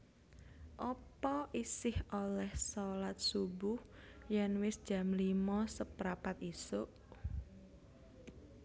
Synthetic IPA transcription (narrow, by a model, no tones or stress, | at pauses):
ʔɔpɔʔisɪholɛhsolat̪̚subʊhjanwɪsd̥ʒ̥a̤mlimɔsəpɾapat̪isoʔ